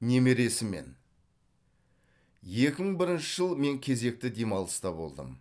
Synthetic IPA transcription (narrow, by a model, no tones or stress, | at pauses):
ne̞me̞ɾe̞sɪme̞̰n | je̞kʲɪməɴbɪɾɪnʃɪʒəlˠme̞ŋkʲʰe̞ze̞k̚t̪ɪd̪e̞mɑlˠəst̪ɑbo̞̰lˠd̪ə̰m